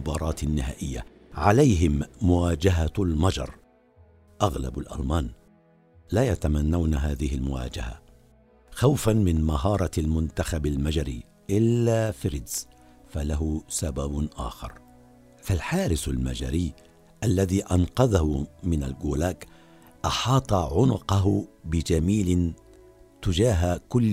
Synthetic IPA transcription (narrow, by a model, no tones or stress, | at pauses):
ʊbɑːɾˤɑːt̪ɪnːɪɦaːʔɪjːa̰ | ʕalajɦɪmːʊwaːd͡ʒaɦalmɑd͡ʒɑ̰ɾˤ | ʔaɣla̰balʔa̰lmaːn | laːjat̪amanːawnaɦaːðɪhɪlmʊwa̰ːd͡ʒa̰ha̰ | xawfanmɪnmaɦɑːɾˤɑlmʊnt̪axabalmad͡ʒaɾḭː | ʔɪlːaːfɪɾɪd̪z̥ | falaɦʊsababʔa̰ːxɑ̰ɾˤ | falħaːɾɪsalmad͡ʒa̰ɾiː | ʔalːaðiːʔɑnqɑðahʊmɪna̰lɡuːlaːk | ʔɑħɑːt̪ˤɑʕʊnʊqɑɦʊbɪd͡ʒamiːlɪ | t̪ʊd͡ʒaːɦakʊlː